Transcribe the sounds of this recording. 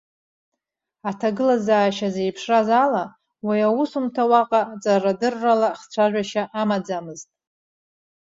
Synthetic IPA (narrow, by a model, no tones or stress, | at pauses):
atʰaɡɨlazaːʃaze̞jpʰʂrazala | wajawusumtʰawaqʼat͡sʼaradɨrːalaχt͡sʷʰaʒʷᶣaʃaʔamad͡zamɨztʼ